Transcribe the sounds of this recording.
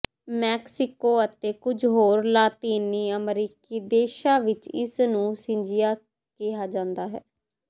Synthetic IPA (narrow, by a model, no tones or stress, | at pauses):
mɛːksɪkoːət̪eːkʊd͡ʒɦoːɾlaːt̪iːniːəmɾiːkiːd̪eːʃãːʋɪt͡ʃɪ̰snũːsɪ̃ɲd͡ʒɪjaː | kɪaːd͡ʒãːnd̪aːɦɛ̰ː